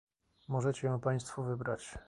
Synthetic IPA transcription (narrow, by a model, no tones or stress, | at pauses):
mɔʐɛt͡ɕɛjɔ̃w̃paj̃st̪fuvɘbɾat͡ɕ